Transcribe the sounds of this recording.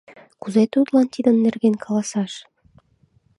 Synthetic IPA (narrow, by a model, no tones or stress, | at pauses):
kuzet̪ud̪lˠɑnt̪id̪ənnerɣenkʰɑlɑsɑʃ